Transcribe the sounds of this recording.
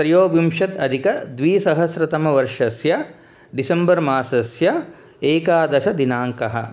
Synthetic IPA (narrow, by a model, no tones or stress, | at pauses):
pɾɐjoːʋimʃɐt̪ɐd̪ʱikɐd̪ʋiːsɐɦɐsɾɐt̪ɐmɐʋɐɾʂɐsjɐ | ɖisɐmbɐɾmaːsɐsjɐ | eːkaːd̪ɐʃɐd̪inaːŋkɐɦɐ̰̆